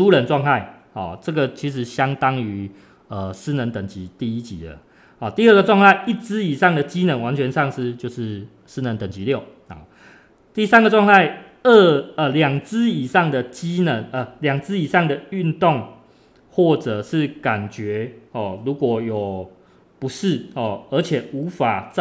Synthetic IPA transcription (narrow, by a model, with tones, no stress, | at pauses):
u˦˥lə˨˦nʈ͡ʂwɑ˥˧ŋt̪ʰa˥˩ɪhɔ̰˥˨˩ʈ͡ʂə˥˩ɡə˨t͡ɕʰi˨˥ʂ̬ɻ̩˧˥ɕjɑ˦ŋt̪ɑ˦ŋy˧˦ | ə˨sɹ̩˥nə˧˦nt̪ə˨˩ŋt͡ɕi˨˦t̪i˥˧i˦t͡ɕḭ˨˦d̪ə̰˨ | hɔ˨˩t̪i˥ə˥˩ɡə˨ʈ͡ʂwɑ˥˧ŋt̪ʰa˥˧ɪʔi˥˩t͡sɹ̩˦i˨˩ʂɑ˥˩ŋd̪ə˨t͡ɕi˦nə˧˥nwa˧˦nt͡ɕʰɥɛ˧nʂɑ˥˧ŋʂɻ̩˥˧t͡ɕjo˥˧ʊʂɻ̩˥˩ | s̩˥nə˧˦nt̪ə˨˩ŋt͡ɕi˦ljo˥˩ʊ | ɔ̰˨˩ | t̪i˥˧sa˦˥nɡə˨ʈ͡ʂwɑ˥˧ŋt̪ʰa˥˩ɪ | ə˥˧ə˨˩ljɑ˨˩ŋt͡sɹ̩˦i˨˩ʂɑ˥˩ŋd̪ə˨t͡ɕi˦˥nə˧˦nʔə˨˩ljɑ˨˩ŋt͡sɹ̩˦˥i˨˩ʂɑ˥˩ŋd̪ə˨y˥˧nt̪o˥˨ŋ | xwɔ˥˩ʈ͡ʂə˨˩ʂɻ̩˥˩ka˨˩nt͡ɕɥɛ˨˧˥hɔ˥˩lu˨˧˥kwɔ˨˩jo˨˩ʊ | pu˨˦ʂɻ̩˥˩hɔ˥˨˩ə˧˥t͡ɕʰjɛ˨˩u˨˦fa˨˩t͡s